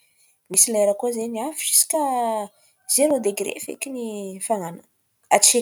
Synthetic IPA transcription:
misileɾakuzeniafiisi̥kʲə | z̥eɾod̪eɡɾḛfḛkʲinifaŋanə | at͡ʃe

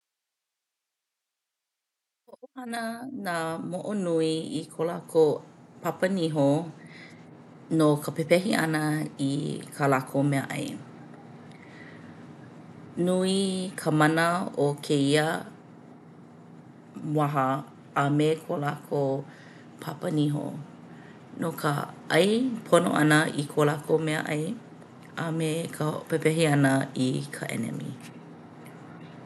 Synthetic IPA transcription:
hoʔohɐnənamoʔonuiikʰolakʰopʰapəniɦo | nokʰəpepɛɦiʔɐ̰nɐḭkʰalakʰomɛəʔɐ̰j | nuikʰəmɐnəokʰeiə | waɦɐː | mekʰolakʰo | pʰapɐniɦo̰ | nokʰə̰ | ɐ̰jpʰono̰ʔɐ̰nəʔikʰolakʰomeə̰ʔɐj | amekʰəpepɛɦiɐnəikʰəʔɛ̰nɛ̰mḭ

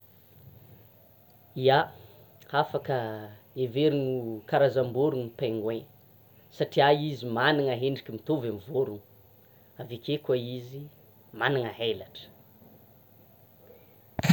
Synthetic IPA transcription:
ia | afakə | eveɾinukaɾazamboɾuŋupeŋɡweɲ | saʈ͡ʂiaizimaniŋaɦeɳɖ͡ʐikʲimit̪ovamivoɾuŋu̥ | avekʲekaizi | maniŋaɦelaʈ͡ʂə̥

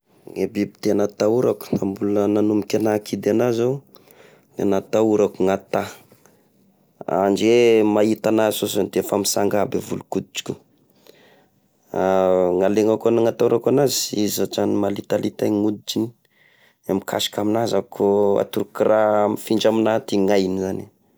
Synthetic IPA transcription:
ŋebibit̪eanat̪auɾaku̥ambulənanumikʲanakid̪eanaza | nenat̪auɾakuŋat̪a | a̰nd͡ʒemait̪anasosand̪efamisaŋɡabevulukud̪it͡ʃi̥kʲu | aŋaleŋakanŋat̪auɾakanazi̥izat͡ʃanimalit̪alit̪aŋud̪it͡ʃini̥ | amikʰa̰si̥kaminazakʰoa̰t̪uɾukiramifiɳd͡ʒaminat̪iŋajnizani

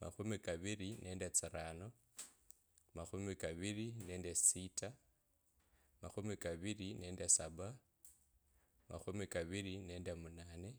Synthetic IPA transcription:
ma̰xumikaβiɾinʔe̞ːndet͡siɾano | maxumikaβiɾine̞ːndesita | ma̰xumikaβiɾine̞ːndesaβa | ma̰xumikaβiɾine̞ːndemunane

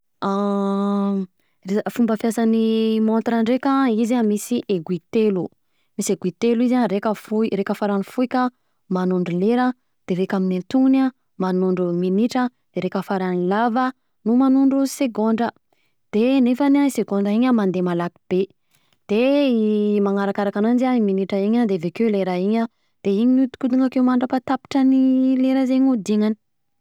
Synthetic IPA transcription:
refumbəfjasanimont̪ɾaɳɖ͡ʐekəizamisiʔeɡwit̪elu | miseɡwit̪eluizaɾekʲəfuiɾekʲəfaɾanfuikʲə | manuɳɖ͡ʐuleɾə | d̪̥evekʲaminint̪una | manuɳɖ͡ʐuminiʈ͡ʂə | d̪̥eɾekʲəfaɾanilavə | numanuɳɖ͡ʐuseɡoɳɖ͡ʐə | d̪̥enefanaseɡoɳɖ͡ʐəiɲəmand̪emalaki̥b̥e | d̪̥e | maŋaɾakaɾakanand͡ʒiaiminiʈ͡ʂaiɲad̪evekeleɾaiɲə | d̪̥eiɲinut̪u̥kud̪uŋakewmaɳɖ͡ʐapat̪api̥ʈ͡ʂənileɾəzeɲud̪iŋani̥

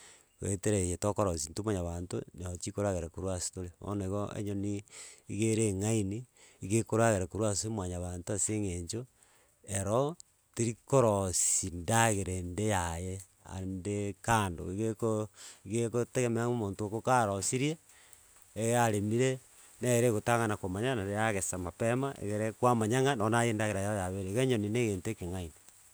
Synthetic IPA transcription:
ɣḛteɾejetokoɾosintumaɲaβanto̰nat͡ʃikoɾaɣeɾekoɾwasi̥tolemo̰neɣoʔḛɲoniiɣeɾeŋaini | iɣekoɾaɣeɾekoɾwasomwaɲaβaːntoaseŋeɲt͡ʃo | eɾo | teɾikoɾosindaɣeɾendejaje | a̰ndekando̰iɣekoiɣekoteɣemeomoːntokokaɾosiɾjeː | ɣeaɾemiɾe | neɣeɾeɣotaŋanakomaɲanaɾeaɣesamapemaʔḛɣeɾekwamaɲaŋanonajendaɣeɾajaojaβeɾeɣeɲonineɣeːntekeŋaine

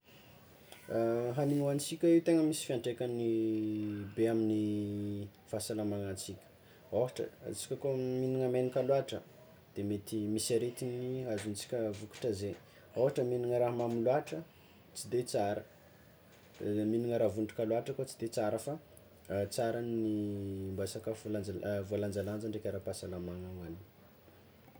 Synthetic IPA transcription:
ɦaniŋuant͡sikʲaiwt̪eŋəmisi̥fiaɳɖ͡ʐekʲani | beamini | fasalamaŋant͡sikʲə̥ | oɦaʈ͡ʂə̰t͡si̥kʲəkominiŋəmenikalwaʈ͡ʂə | d̪̥emet̪imisaɾet̪iniazunt͡si̥kʲəvuku̥ʈ͡ʂaze | oɦaʈ͡ʂəminiŋəɾaɦmamiluaʈ͡ʂə | t͡sid̪et͡saɾə | miniŋəɾavunʈ͡ʂi̥kaluaʈ͡ʂəkot͡si̥d̪et͡saɾəfa | t͡saɾanimbasakavolaavualand͡zaland͡zaɳɖ͡ʐekʲaɾapasalamaŋaŋani

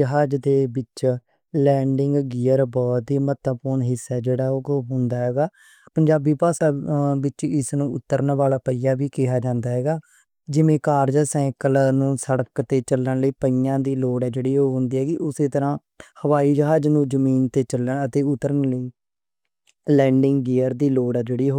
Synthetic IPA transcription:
d͡ʒəɦaːd͡ʒd̪eːbɪt͡ʃ | lɛ̃ːɳɖɪ̃ŋɡɡɪːəɾbɔːt̪ɦiːmət̪əpʊːɳɦɪsːɛːd͡ʒeːɽaːoːɦʊ̃ːnd̪aːɦɛːɡaː | pəɲd͡ʒaːbiːpaːsaːbɪt͡ʃɪsnũːʊt̪ːəɾənʋaːlaːpəiːjaːʋiːkɪɦaːd͡ʒãːnd̪aːɦɛːɡaː | d͡ʒɪʋẽːkaːɾd͡ʒsɛ̃ːkəlnũːsəɽəkt̪eːt͡ʃəlːəɳləiːpəɪjãːd̪iːloːɽɛːd͡ʒeːɽiːɦoːɦʊ̃ːnd̪iːɦɛːɡiʔʊseːt̪əɾãː | həʋaːiːd͡ʒəɦaːd͡ʒnũːd͡ʒəmiːnt̪eːt͡ʃələət̪eːʊt̪ːəɾənləiː | lɛ̃ːɳɖɪ̃ŋɡɡiːəɾd̪iːloːɽɛːd͡ʒeːɽiːɦo

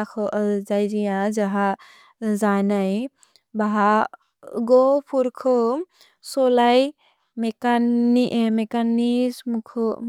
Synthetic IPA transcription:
akʰɔd͡ʒajɾijãd͡ʒaɦa | zajnaj | baɦa | ɡopʰuɾkʰɔ | sɔlaj | mekaimekanismkʰ

